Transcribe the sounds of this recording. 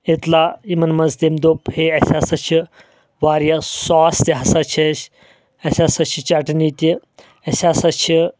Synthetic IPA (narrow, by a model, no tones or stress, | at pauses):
et̪laimɐnmɐzd̪emd̪opheɐsʲasɐt͡ʃʰi | ʋaːɾjasɔːsd̪ʲeɦasat͡ʃʰɐʃ | ɐsʲasɐt͡ʃʰit͡ʃɐʈnit̪ʲi | ɐsʲasɐt͡ʃʰi